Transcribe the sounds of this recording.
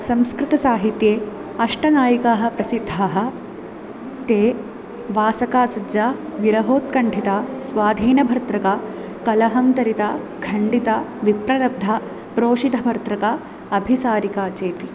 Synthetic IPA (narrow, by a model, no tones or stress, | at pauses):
sɐmskɾɪt̪ɐsaːɦit̪jeːɐʂʈɐnaːjikaːɦɐ̆pɾɐsid̪ʱːaːɦɐ̆ | t̪eː | ʋaːsɐkaːsɐd͡ʒaːʋiɾɐɦoːt̪kɐɳɖʱit̪aːsʋaːd̪ʱiːnɐbʱɐɾt̪ɾɐka | kɐlɐɦɐmt̪ɐɾit̪a | ɡʰɐɳɖit̪ɐʋipɾɐɾɐb̚d̪ʱa | pɾoːʂit̪ɐbʱɐɾt̪ɾɐka | ɐbʱisaːɾikaːt͡ʃeːt̪i